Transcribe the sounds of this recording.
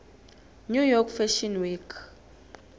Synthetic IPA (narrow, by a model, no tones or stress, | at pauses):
nujɔkfɛʃɔnwikʰ